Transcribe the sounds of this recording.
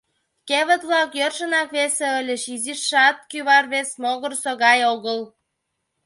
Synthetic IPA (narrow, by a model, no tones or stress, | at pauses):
keβə̆t̪βlɑkjørʃənɑkβeseəlʲeʃiziʃːɑt̪̚kyβɑrβesmoɣə̆rsoɣɑjoɣəl